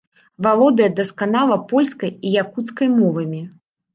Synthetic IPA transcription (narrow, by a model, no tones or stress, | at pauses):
valˠɔd̪ɨjɐd̪ɐskanalˠɐpɔlʲskɐjijakut̪skɐjmɔvɐmʲi